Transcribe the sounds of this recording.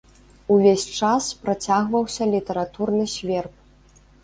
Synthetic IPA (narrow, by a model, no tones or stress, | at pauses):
uvʲesʲt͡ʂaspɾat͡sʲaɣvɐwsʲɐlʲit̪ɐɾat̪urnɨsʲvʲɛrp̚